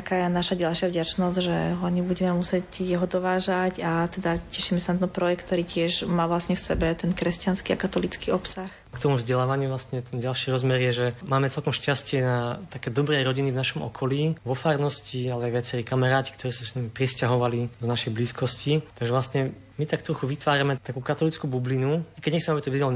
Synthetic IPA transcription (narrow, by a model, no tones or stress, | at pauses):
t̪akaːjanaʃaɟalʃɪavɟat͡ʃnɔzʒɛɦɔaɲɛbuɟɛmɛmusɪɛcjɛɦɔd̪ɔʋaːʒacat̪ɛd̪acɛʃimɛsanat̪ɛnpɾɔjɛkt̪t̪ːɔɾiːcɪɛʒmaːʋlasɲɛfsɛbɛt̪ɛnkɾɛscanskiakat̪ɔlit͡skiɔpsax | kt̪ɔmuvzɟɛlaːʋaɲɪuvʋlast̪ɲɛt̪ʰɛnɟalʃiːɾɔzmɛɾjɛʒɛmaːmɛt͡sɛlkɔmʃcascɪɛnat̪akɛːd̪ɔbɾɛɾɔɟinivnaʃɔmɔ̰kʰɔliːʋɔfaːɾnɔscialɛajʋɪat͡sɛɾiːkamaɾaːci̥kt̪ɔɾiːsasnamipɾɛscaɦɔʋalid̪ɔnaʃɛjbliːskɔscit̪aɡʒɛʋlast̪ɲɛ | mit̪akt̪ɾɔxuʋit̪ʋaːɾamɛt̪akuːkat̪ɔlit͡skubublinuakɛɟɲɛxt͡ssɛmɛabit̪ɔʋizal